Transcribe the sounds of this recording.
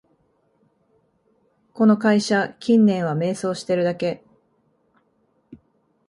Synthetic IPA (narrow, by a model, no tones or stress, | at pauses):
ko̞no̞kaiɕakʲĩnːẽ̞ɰ̃βame̞ːso̞ːɕi̥t̪e̞ɾɯ̟d̪ake̞